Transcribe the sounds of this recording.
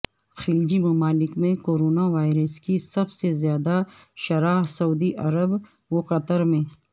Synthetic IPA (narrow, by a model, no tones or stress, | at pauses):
xɪld͡ʒimɐmaːlɪkmẽkoːɾoːnaʋaːɪɾəskisɐbsezjaːd̪aʃɐɾaːsɐuːd̪iʔɐɾəb | ʋoqɐt̪əɾmẽː